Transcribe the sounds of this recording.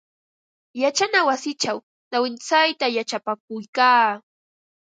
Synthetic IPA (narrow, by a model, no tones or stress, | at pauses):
jat͡ʃanawasɪt͡ʃaw | nawɪnt͡sajt̪ajat͡ʃapak̚ʊjkaː